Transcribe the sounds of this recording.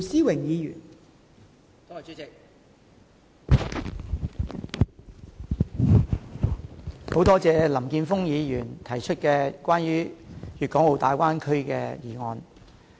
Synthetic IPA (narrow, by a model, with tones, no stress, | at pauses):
siː˥wɪ˨˩ŋjiː˨˧jy̰ː˨˩n˨ | ho˨˥wt̪ɔː˥t͡sɛː˨˧lɐ˨˩mkiː˧nfʊ˥ŋjiː˨˧jyː˨˩nt̪ʰɐ˨˩jt͡ʃʰɵ˥t̚kɛː˧kʷaː˥nɥyː˥jyː˨t̚kɔː˨˥ŋwo˨wt̪aː˨˧jkwʷaː˥nkʰɵ˥ɥkɛː˧jiː˨˩ŋɔː˨˧n